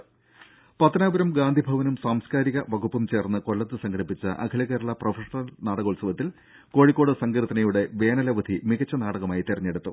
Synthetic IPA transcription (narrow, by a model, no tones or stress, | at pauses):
pɐt̪ːɐnaːʋɐɾɐmɡaːnd̪ʱibʱɐʋɐnumsaːmskaːɾiɣɐʋɐɡupːɐmt͡ɕe̞ːrnːɨko̞lːɐt̪ːɨsɐŋɡɐɽipːit͡ɕːɐ̰ʔɐ̰kʰɐlɐɣeːɾuɭɐprofɐʂɐnɐlnaːɽɐɣolsɐʋɐt̪ːil | ko̞ːɻikːo̞ːɽɨsɐŋɡɾɨt̪ːɐnɐjuɽe̞ʋe̞ːnɐlɐʋɐd̪ʱimiɣɐt͡ɕːɐnaːɽɐɣɐmaːjit̪iɾɐɲːeɽut̪ːu